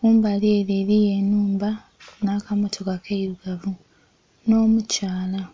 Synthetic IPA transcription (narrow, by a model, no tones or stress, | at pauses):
kuːmbalieɾeɾijenuːmba | nakamotʰokakeiɾuɡavu | no̞ːmucaːla